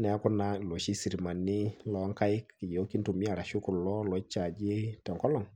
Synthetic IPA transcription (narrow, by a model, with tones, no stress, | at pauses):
nɛ˨a˦kʊ˦na˦˨lɔ˨ʃi˦si˨ɾi˨ma˨ni˦lɔ˨˦ŋka˦ɪ˦kːɪ˨jɛ˨o˦ki˦ntu˨mi˦a˨ɾa˨ʃʊ˦kʊ˨lɔ˦lɔ˨˦t͡ʃːa˨d͡ʒe˦tɛ˨ŋkɔ˦lɔ˦˨ŋ